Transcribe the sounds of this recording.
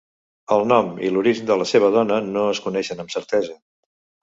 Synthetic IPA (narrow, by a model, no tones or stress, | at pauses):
əlˠnɔmḭluɾiʒnd̪ələseβ̞əð̞ɔnənoəskunɛʃənəmsəɾt̪ɛzə